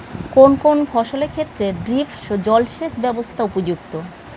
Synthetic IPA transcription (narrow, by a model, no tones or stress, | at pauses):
konkonfʰɔʃoleɾkʰet̪ːɾeɖɾifʃod͡ʑɔlʃeʃbɛbost̪ʰaupod͡ʑuk̚t̪o